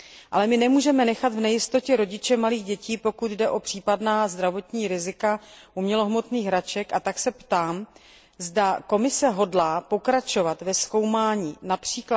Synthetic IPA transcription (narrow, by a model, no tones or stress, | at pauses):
ʔa̰lɛmɪnɛmuːʒɛmɛnɛxat̪vnɛjɪst̪o̞cɛɾo̞ɟɪt͡ʃɛmaliːɣɟɛciːpo̞kut̪dɛʔo̞pr̝̥iːpadnaːzd̪ɾavo̞t̪ɲiːɾɪzɪkaʔumɲɛlo̞ɦmo̞t̪niːɣɾat͡ʃɛkat̪aksɛpt̪aːm | zdako̞mɪsɛɦo̞dlaːpo̞kɾat͡ʃo̞vat̪vɛsko̞wmaːɲiːnapr̝̥iːkla